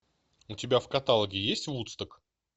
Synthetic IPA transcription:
ʊtʲɪbʲafkɐt̪alˠəɡʲɪjesʲtʲvut̪st̪ək

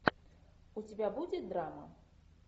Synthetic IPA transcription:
ut͡sʲabʲabud͡zʲɛd̪ɾamɐ̰

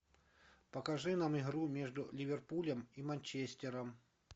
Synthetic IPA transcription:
pəkɐʐɨnamɪɣɾumʲe̞ʐd̪ʊlʲɪvʲɪrpulʲəmimɐnʲt͡ɕesʲtʲɪɾəm

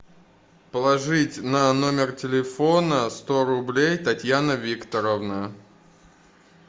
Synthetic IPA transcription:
pəlˠɐʐɨtʲnɐno̞mʲɪrtʲɪlʲɪfonəst̪o̞ɾʊblʲejt̪ɐtʲjanəvʲikt̪əɾəvnə

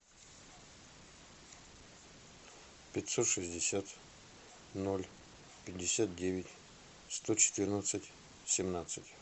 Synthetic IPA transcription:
pʲɪtʲsot̪ʂɨsʲdʲɪsʲat̪ | nolʲ | pʲɪdʲːɪsʲat̪̚dʲevʲɪtʲ | st̪ot͡ɕɪ̥t̪ɨrnət̪sɨtʲ | sʲɪmnat̪sɨtʲ

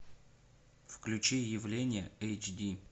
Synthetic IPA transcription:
fklʲʉt͡ɕijɪvlʲenʲɪjəejt͡ɕdʲi

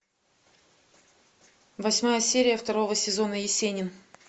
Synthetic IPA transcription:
vɐsʲmajəsʲeɾʲɪjəft̪ɐɾo̞vəsʲɪzo̞nəjɪsʲenʲɪn

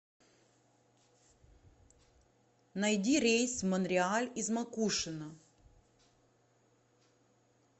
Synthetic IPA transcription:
nɐjdʲiɾʲejsvmənɾʲɪalʲizmɐkuʂɨnə

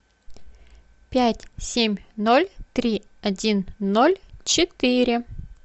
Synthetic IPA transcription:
pʲætʲsʲemʲnolʲt̪ɾʲi | ɐdʲinːolʲt͡ɕɪt̪iɾʲɪ

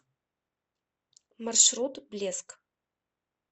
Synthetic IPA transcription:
marʃɾut̪blʲesk

